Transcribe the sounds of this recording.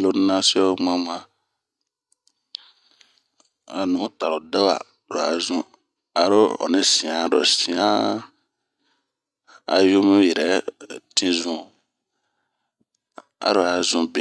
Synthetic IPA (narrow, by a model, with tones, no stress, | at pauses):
lo˨n˦nã˦si˦ɔ˦mã˦mã˦ | a˨nũ˨˦ta˨ɾo˨da˦wa̰˨ | ɾo˨a̰˨zũ˦ | a˨ɾo˦ɔ̰˨nɪ̃˦sĩ˨ã˨ɾɔ̰˨sĩ˨ã˦ | a̰˨jo˦mẽ˦jɛ˨ɾɛ˨˦tʰĩ˦zũ˦ | a̰˨ɾo˨a˨zũ˦bẽ˨